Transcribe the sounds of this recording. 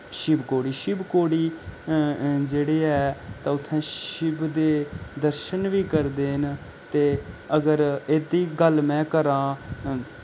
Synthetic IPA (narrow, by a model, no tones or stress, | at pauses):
ʃɪbkoːɽiːʃɪbkoːɽiː | d͡ʒeːɽeːɛːt̪ãːʊt̪ʰːɛ̃ːʃɪbd̪eːd̪əɾʃənʋiːkəɾd̪eːn | t̪eːəɡəɾeːd̪iːɡəlmɛ̃ːkəɾãː